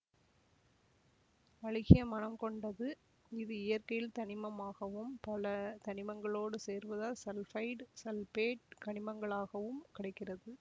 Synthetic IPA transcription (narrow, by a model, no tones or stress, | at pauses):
ɐɻɪɣɪjɐmɐnɐmkɔɳɖɐðɯ | ɪðɯɪjɐrkɐjɪlt̪ɐɳɪmɐmaːɣɐʋɯmpɐlɐt̪ɐɳɪmɐŋɡɐɭoːɽɯseːɾʋɐðaːsɛlfɐɪʈsɐlpeːʈ̚kɐɳɪmɐŋɡɐɭaːɣɐʋɯmkɪɽɐɪkːɪrɐðɯ